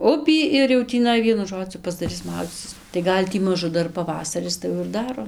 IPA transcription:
ˈʊpʲiː ɪr jɛʊ tʲiːˈnɐɪ ˈʋʲiɛnʊ ˈʒoːd͡zʲʊ pɐzdɐˈrʲɪs ˈmɐʊd͡zʲiːt͡sʲɪs tɐɪ ˈɡɐlʲ tʲiː ˈmɑːʒʊ ˈdɐr pɐˈʋɑːsɐrʲɪs tɐɪ ˈjɛʊ ɪr ˈdɑːroː

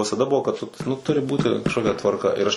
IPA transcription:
ʋʲɪsɐˈdɐ ˈbʊʋoː kɐt tʊ nʊ ˈtʊrʲɪ ˈbuːtʲɪ kɐʃkoːˈkʲɛ tʋɐrˈkɐ ɪr ˈɐʃ

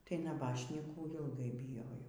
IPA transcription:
ˈtɐɪ nɐˈbɑːʃʲnʲiːkuː ɪlˠˈɡɐɪ bʲɪˈjoːjɛʊ

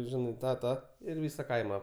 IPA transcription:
ˈʒʲɪnɐɪ ˈtɑː ˈtɑː ɪr ˈʋʲiːsɐ ˈkɐɪmɐ

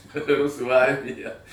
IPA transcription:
ˈrʊsuː ˈɐrʲmʲɪjɛ

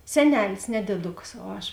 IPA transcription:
sʲɛˈnʲæːlʲɪs nʲɛ dʲeːˈdʊkɐs oː ˈɐʃ

